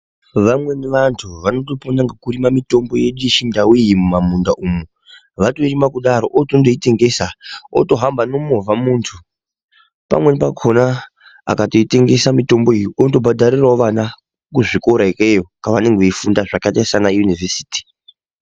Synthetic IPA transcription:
ʋamwe̞neʋantʰuʋano̞toponaŋɡakurimamito̞mbo̞jeɗuiʃindawijimumamundaʔumu | ʋatoirimakuɗaɾo̞ʔotondoite̞ŋɡe̞sao̰to̞ɦambano̞movamuːntʰu | pa̰mwe̞nepakʰona | a̰kato̞ite̞ŋɡe̞samito̞mboijioto̞bʱadʱarirwaoʋana | kuʐikoɾaikejokaʋane̞ŋɡeʋeifundaʐakatasanajunivesi̥ːti̥

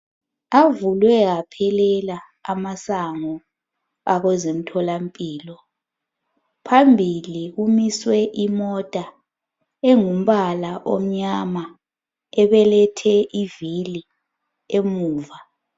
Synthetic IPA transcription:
avulwɛɣapʰɛlɛlaː | masaŋɔ | aɣɛzem̩tʰɔlampʼiːlɔ | pʰambʱiliɣumiswɛʔimɔtʼa | eŋum̩βalaʔo̰m̩ɲama | ɛβɛlɛtʰɛʔivili | emuːva

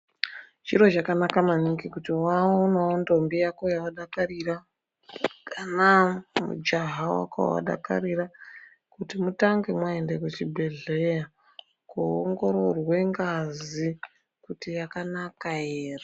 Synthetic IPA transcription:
ʒ̥iɾo̞ʒakanakamaniɡikutiwaonaondo̞mbijako̞jawaɗakarira | kanamṵd͡ʒaɦawa̰ko̰ja̰wa̰ɗa̰ka̰ɾiɾa | kutimutaŋɡe̞mwaendeket͡ʃibʱe̞ɮe̞ja | kuoŋɡo̞ɾo̞rwe̞ŋɡazi | kutijakanakajeːra

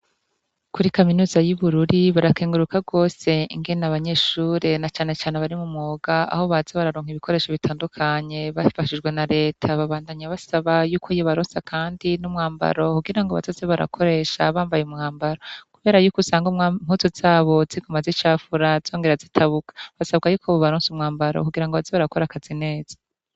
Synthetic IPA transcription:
kuɾikaminuːzajuβuɾuɾiβaɾakeːŋɡuɾukaɡo̞ːse̞iŋɡenaβaɲe̞ʃuːɾe̞nat͡ʃaːne̞t͡ʃaːne̞βaɾimumŋoːɡaa̰ho̞βaz̥eβaɾaɾoːŋ̥iβikʰo̞ɾe̞ːʃo̞βitʰaːndukʰaɲe̞βafaʃid͡ʒɡwe̞naɾe̞ːtʰaβaβaːndaɲaβasaβajuːkʰoijoβaɾoːnsakʰaːndinumŋaːmba̰ɾo̞kuɡiɾaŋɡoβa̰zezeβaɾa̰kʰo̞ɾe̞ʃa̰βaːmbajeumŋaːmbaɾokuβe̞ːɾajukusaŋɡom̥utozaːβo̞ziɡomazit͡ʃaːfuɾaz̥o̞ːŋɡe̞ɾazitʰaβukḁβasaβɡajuːkoβoβaɾoːnsumŋaːmbaɾo̰kuɡiɾaŋɡoβazeβaɾako̞ɾakazine̞ːz̥ḁ

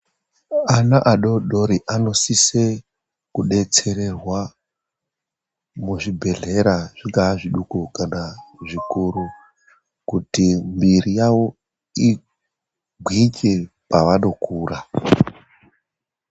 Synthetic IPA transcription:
anaʔaɗo̞ɗo̞ɾiʔano̞sise | kuɗe̞t͡se̞ɾe̞rwa | muʐibʱe̞ɮe̞ɾaʐ̥iŋɡaːʐiɗukukanaʐikuɾu | kutimbirijaʋo̞ | i | ɡʱwike̞ | paʋano̞kʰuːra

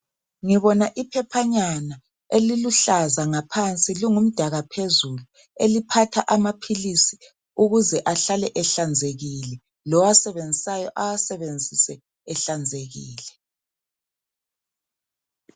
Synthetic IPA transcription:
ŋiβɔnaʔipʰɛpʰaɲana | eliluɬazaŋapʰant͡sʼiliŋum̩d̥ʱaɣapʰezulu | elipʰatʰaʔamapʰilisi̥ | uɣuzɛʔaɬalɛʔɛɬand͡zʱeɣilɛ | lɔwasɛβend͡zʱisajɔʔawasɛβend͡zʱisɛː | ɬand͡zʱeɣiːlɛ

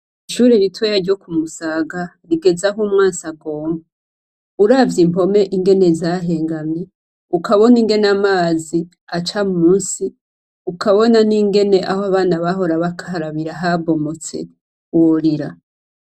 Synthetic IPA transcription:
iʃuːɾeɾitwejaɾɟo̞kumusaɡa | ɾiɡe̞zaɦumŋaːnsaɡoːmɡa | uɾavjimpo̞me̞ʔiŋɡe̞ne̞zaɦe̞ːŋɡamɲe | ukʰaβo̞niŋɡe̞namaːzi | at͡ʃamumuːnsi | ukaβo̞naniŋɡe̞ne̞ʔahoaβaːnaβaɦo̞ɾaβakʰaɦaɾaβiɾaɦabo̞mo̞t͡se̞̰ | woɾiɾa

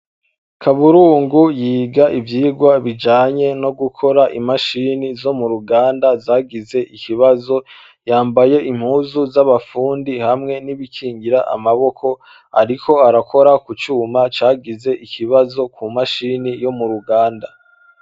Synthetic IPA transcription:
kʰaβuɾuːŋɡujiːɡaʔivjiːɡwaβid͡ʒaːɲe̞no̞ɡukʰo̞ɾaʔimaʃiːnizo̞muɾuɡaːndazaːɡize̞ʔikiβazo̞ | jaːmbaje̞ʔim̥huːzuzaβafuːndihamŋe̞niβikʰiːŋɡiɾaʔa̰maβo̞kʰo̞ | a̰ɾikʰo̞aɾakʰo̞ɾakut͡ʃuːmat͡ʃaːɡize̞ʔikʰiβazo̞kʰumaʃinijo̞muɾuɡaːnda

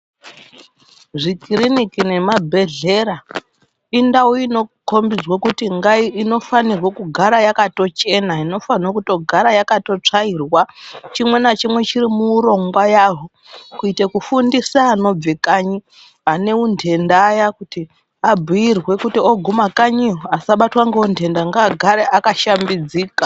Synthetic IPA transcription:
ʐikirinikine̞mabʱe̞ɮe̞ɾa | indauino̞ko̞mbid͡zwokutiŋɡaino̞fanirwokuɡʱaɾajakato̞t͡ʃe̞naino̞fanirokuto̞ɡʱaɾajakato̞t͡ʂairwat͡ʃimwe̞nat͡ʃimwe̞t͡ʃiɾimuːɾo̞ŋɡwajaɦo | kuitekufundisaːno̞b͡vekaɲi | ane̞unde̞ndajakuti | abʱujirwe̞kutioɡʱumakaɲiasaɓatwaŋɡeundʱe̞ndaŋɡaɡʱaɾeʔakaʃambid͡ziːka

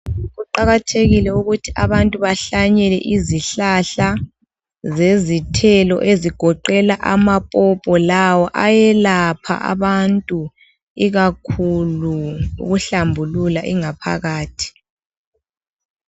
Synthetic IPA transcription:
ɣuǃaɣatʰeɣilɛuɣutʰiʔaβantʼuβaɬaɲɛlɛ̰ʔiziɬaɬa | zezitʰɛlɔ̰ʔeziɡ̥ʱɔǃɛlaʔamapʼɔpʼɔlawɔʔajɛlapʰa̰ʔa̰βantʼu | iɣakʰuluṵɣuɬambʱululaʔiŋapʰa̰ɣaːtʰi̥

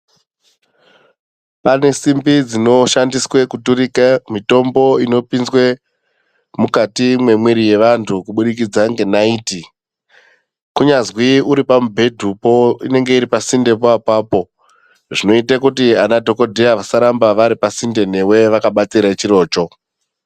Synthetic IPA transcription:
pane̞simbid͡zino̞ʃandiswe̞kutuɾikamito̞mbo̞ino̞pinzwe̞ | mukatimwe̞mweɾije̞ʋantʰukuɓuɗikid͡zaŋɡe̞naiːti | kuɲazwiuɾipamubʱe̞dʱupo̞ine̞ŋɡe̞iɾipasinde̞p̬oapaːpo̞ | ʐino̞itakutianadʱo̞ko̞dʱejaʋasaɾambaʋaɾipasinde̞n̤e̞we̞ʋakaɓat͡siɾat͡ʃiɾo̞ːt͡ʃo̞

